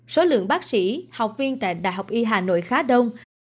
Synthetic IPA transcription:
so˨˦lɨ̰˧˨əŋɓaː˦˥k̚sḭ˧˥ha˨˩wk͡p̚vi˧ənt̪a̰ː˧˨jɗa̰ː˧˨jɦa˨˩wk͡p̚ʔi˧ɦaː˨˩no̰˧˨jxaː˨˦ɗə˧wŋ͡m

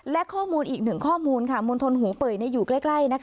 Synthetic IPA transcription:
lɛ˦˥kʰɔː˥˩muː˧nʔiː˨˩k̚nɯ˨˩ŋkʰɔː˥˩muː˧nkʰa˦˥˩mo˧nt̪ʰo˧nɦuː˩˦pɤː˨˩jna˧jːuː˨˩kla˥˩jkla˥˩jna˦˥kʰ

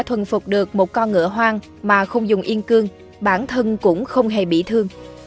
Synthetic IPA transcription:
t̪ʰwə˨˩nfʊ˨˩k͡p̚ɗɨ˨˩ək̚mo˨˩t̚kɔ˧nŋɨ̰˧˥əɦwaː˧ŋ | maː˨˩xə˧wŋ͡mzʊ˨˩ŋ͡mʔi˧ənkɨ˧əŋ | ɓaː˧˩nt̪ʰə˧nkʊ̰˧˥ŋ͡mxə˧wŋ͡mɦe˨˩ɓḭ˧˩t̪ʰɨ˧əŋ

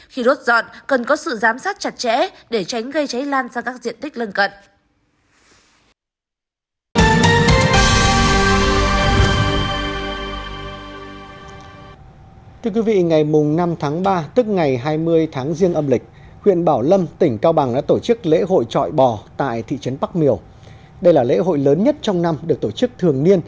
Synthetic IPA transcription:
xi˧ɗo˦˥t̚zɔ̰˧˨nkə˨˩nkɔ˨˦sɨ̰˧˨zaː˨˦msaː˦˥t̚t͡ɕa˨˩t̚t͡ɕɛ̰˧˥ɗe˧˩t͡ɕa˨˦jŋ̟ɣə˧jt͡ɕa˨˦jlaː˧nzaː˧kaː˦˥k̚zḭ˧˨ənt̪ï˦˥k̟̚lə˧nkə̰˧˨n | t̪ʰɨ˧əkwi˨˦vḭ˧˨ŋa˨˩jmʊ˨˩ŋ͡mna˧mt̪ʰaː˨˦ŋɓaː˧t̪ɨ˦˥k̚ŋa˨˩jɦaː˧jmɨ˧əjt̪ʰaː˨˦ŋzi˧əŋʔə˧mlï˨˩k̟̚ | hwḭ˧˨ənɓaː˧˩wlə˧mt̪ï˧˩ŋ̟kaː˧wɓa˨˩ŋɗa̰ː˧˥t̪o˧˩t͡ɕɨ˦˥k̚lḛ˧˥ɦo̰˧˨jt͡ɕɔ̰˧˨jɓɔ˧˩t̪a̰ː˧˨jt̪ʰḭ˧˨t͡ɕə˨˦npɓa˦˥k̚mi˧˩əw | ɗə˧jlaː˨˩lḛ˧˥ɦo̰˧˨jləː˨˦nɲə˦˥t̚t͡ɕɔ˧wŋ͡mna˧mɗɨ˨˩k̚t̪o˧˩t͡ɕɨ˦˥k̚t̪ʰɨ˨˩əŋni˧ən

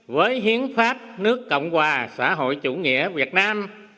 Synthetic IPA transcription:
vəː˨˦jɦi˨˦ənfaː˦˥p̚nɨ˦˥əkːə̰˧˨wŋ͡mhwaː˨˩sa̰ː˧˥ɦo̰˧˨jt͡ɕu˧˩ŋḭ˧˥əvi˨˩ət̚naː˧m

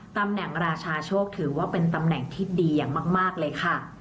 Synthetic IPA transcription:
t̪a˧mnɛ˨˩˦ŋɾaː˧t͡ɕʰaː˧t͡ɕʰoː˥˩k̚t̪ʰɯː˩˦waː˥˩pe˧nt̪a˧mnɛ˨˩˦ŋt̪ʰiː˥˩diː˧jaː˨˩ŋmaː˥˩k̚maː˥˩k̚lɤː˧jkʰa˥˩

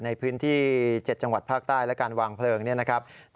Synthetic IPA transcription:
na˧jpʰɯː˦˥nt̪ʰiː˥˩t͡ɕe˨˩t̪̚t͡ɕa˧ŋwa˨˩t̪̚pʰaː˥˩k̚t̪aː˥˩jlɛ˦˥kaː˧nwaː˧ŋpʰlɤː˧ŋni˥˩na˦˥kʰa˦˥p̚

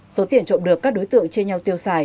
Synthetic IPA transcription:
so˨˦t̪i˧˩ənt͡ɕo̰˧˨mɗɨ˨˩əkːaː˦˥k̚ɗo˨˦jt̪ɨ̰˧˨əŋt͡ɕe˧nɲa˧wt̪i˧əwsaː˧˩j

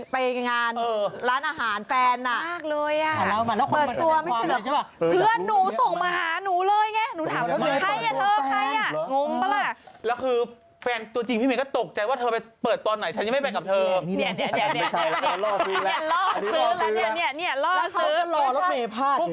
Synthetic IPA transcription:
pa˧jŋaː˧nɤː˧ɾaː˦˥nʔaː˧ɦaː˩˦nfɛː˧nʔa˨˩ʔmaː˥˩k̚lɤː˧jʔa˨˩˦pɤː˨˩˧t̪ːu˧ɐma˥˩i˧˩a˨˩˥pʰɯ˥˩ənːuː˨˩˦so˨˩ŋmaː˧ɦaː˨˩˦nuː˨˩˦lɤː˧jŋɛ˦˥nuː˨˦t̪ʰaː˨˦˧a˥˩jʔa˨˩t̪ʰɤː˧a˧˥˩jʔa˨˩ŋo˧˥ŋa˧la˥˧˩lɛː˦˥wkʰɯː˧ | fɛː˧nt̪u˧t͡ɕi˧ŋpʰiː˥˩mi˦kɔ˥˩t̪o˨˩k̚t͡ɕa˧jwaː˥˩t̪ʰɤː˧pa˧jpɤː˨˩t̪ːu˧nːa˩˦jt͡ɕʰa˦˥nja˧m˥˩pa˧ŋka˨˩p̚t̪ʰɤː˧ni˥˩n˧˩i˥˩˨ni˥˩ɐ˧ni˥˩˨i˥˩ɐlɔː˥˩ksɯː˨˦˥lɛː˦˥ni˥˩əni˧˥˩ɐni˧˥˩ɐlɔː˥˩˧sːlɔː˧lɛ˦˥eː˧pʰaː˥˩˥

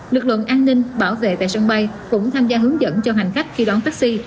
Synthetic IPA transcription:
lɨ˨˩k̚lɨ̰˧˨ənʔaː˧nːï˧ŋɓaː˧˩wvḛ˧˨t̪a̰ː˧˨jsə˧ŋɓa˧j | kʊ̰˧˥ŋ͡mt̪ʰaː˧mzaː˧ɦɨ˨˦əŋzə̰˧˥nt͡ɕɔ˧ɦa˨˩jŋ̟xa˦˥jk̟̚xi˧ɗwɔː˨˦nt̪aː˦˥k̚si˧

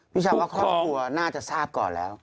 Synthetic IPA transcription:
pi˦t͡ɕʰaː˧wa˧˦kʰɔː˦˧˩u˨ə˨˩naː˥˩t͡ɕa˨˩saː˦˥˩p̚kɔː˨˩lɛ̰ː˨˦w

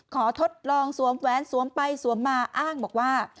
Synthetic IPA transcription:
kʰɔː˩˦t̪ʰo˦˥t̪̚lɔː˧ŋsu˨˩˦əmwɛː˨˦˥nsu˩˦əmpa˧jsu˩˦əmːaː˧ʔaː˥˩ŋbɔː˨˩k̚waː˥˩

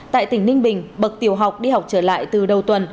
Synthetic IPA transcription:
t̪a̰ː˧˨jt̪ï˧˩ŋ̟nï˧ŋ̟ɓï˨˩ŋ̟ɓə˨˩k̚t̪i˨˩əwɦa˨˩wk͡p̚ɗi˧ha˨˩wk͡p̚t͡ɕəː˧˩la̰ː˧˨jt̪ɨ˨˩ɗə˨˩wt̪wə˨˩n

